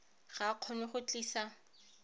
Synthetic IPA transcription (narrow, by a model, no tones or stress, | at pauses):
χaq͡χʰɔnɪχʊt͡ɬʼiːsa